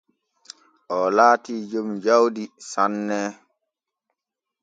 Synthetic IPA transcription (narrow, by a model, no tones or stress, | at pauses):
ʔɔlaːtiːd͡ʒumd͡ʒawdisanːɛː